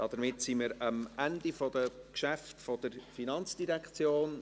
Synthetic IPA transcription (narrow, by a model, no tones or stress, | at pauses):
d̥ɑːd̪̥əmɪtsiməɾɑmændifɔd̥əkʃæftfɔd̥əɾfinɑnt͡sd̥iɾɛkt͡sjoːn